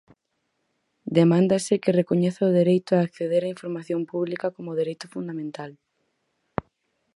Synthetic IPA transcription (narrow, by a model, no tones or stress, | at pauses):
d̪emãnd̪asɪkɪrekoɲeθaʊð̞eɾejt̪ʊaːkθeðeɾaĩɱfoɾmaθjompuβlikakomʊðeɾejt̪ʊfund̪amẽnt̪al